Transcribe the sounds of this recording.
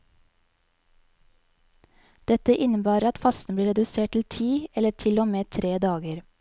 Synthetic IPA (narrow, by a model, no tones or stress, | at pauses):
d̪̥ɛt̪əʔɪnəbæːɾəɑt̪fɑst̪n̩b̪liːɾɛd̪ʉseːʈ̚t̪l̩t̪ʰiːɛləʈʰɪlomeːt̪ʰɾeːd̪ɑːɡəɾ